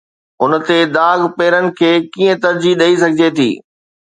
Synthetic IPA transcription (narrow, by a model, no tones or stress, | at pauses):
ʊnt̪ed̪aːɡpeːɾənɪ̆kʰeːkiːə̃t̪ɐɾd͡ʑiɗɐisɐɡʱɪd͡ʑet̪ʰḭː